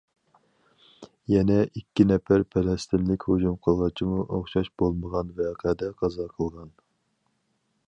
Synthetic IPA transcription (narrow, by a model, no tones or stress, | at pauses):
jɛnɛʔikʲːinɛfæɾpʰɛlɛst̪ɪnlɪkʲhod͡ʒumqʰəlˠʁɑt͡ʃʰimuʔoχʃɑʃb̥olˠməʁɑnvɛqʰɛd̪ɛqʰɑzɑqʰəlˠʁɑn